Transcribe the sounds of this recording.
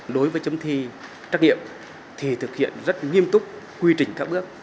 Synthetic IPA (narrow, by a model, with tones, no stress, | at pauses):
ɗo˨˦jvəː˨˦jt͡ɕə˨˧mt̪ʰi˧ | t͡ɕaː˦˥k̚ŋḭ˧˨əm | t̪ʰi˨˩t̪ʰɨ˨˩k̚hḭ˧˨ənzə˦˥t̚ŋi˧əmt̪ʊ˦˥k͡p̚ | kwi˧t͡ɕï˨˩ŋ̟kaː˦˥k̚ɓɨ˦˥ək̚